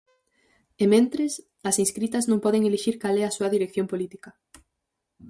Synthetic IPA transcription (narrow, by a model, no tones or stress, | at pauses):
emẽnt̪ɾes | ɐsĩnskɾit̪ɐznõŋpɔðeŋeleʃiɾkalɛɐsuɐðiɾekθjõmpolit̪ikɐ